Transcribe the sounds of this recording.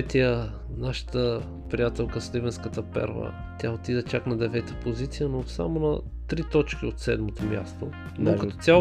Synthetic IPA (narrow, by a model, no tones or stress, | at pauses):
t̪iə | naʃə̥t̪ə | pɾijat̪ɛlˠkəslibɛnskət̪əpɛ̰ɾvə̰ | t̪ʲjaot̪id̪ət͡ʃaknɐd̪ɛvɛt̪əpozit̪sijənosa̰monɐ | t̪ɾit̪ɔt͡ʃkʲiot̪sɛd̪mot̪omʲja̰st̪o | nokɐt̪ɔt̪ʲa